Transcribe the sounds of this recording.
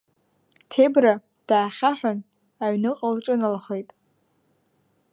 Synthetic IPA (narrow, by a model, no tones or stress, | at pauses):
tʰe̞bra | d̥aːχʲaħʷᶣan | aɥnɨqʼalʈ͡ʂʼɨnalaχejtʼ